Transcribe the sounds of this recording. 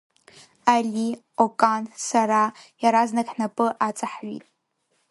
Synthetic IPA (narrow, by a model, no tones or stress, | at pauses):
alʲi | okʼansaɾajaɾaznaɡħnapʼɨʔat͡sʼaħɥḭtʼ